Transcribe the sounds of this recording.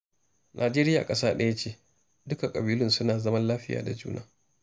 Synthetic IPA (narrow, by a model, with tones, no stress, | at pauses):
nʔaː˨d͡ʒeː˦ɾɪ˦ja̰ː˨kʼɐ˦saː˦ɗɐ˦ja˦t͡ʃeː˦ | dʊ˦ka˨kʼɐ˨biː˦lʊ˦nsʊ˦naː˨zɐ˦mɐ˦nlaː˦ɸɪ˦ja̰ː˨da˨d͡ʒṵː˦na̰ː˦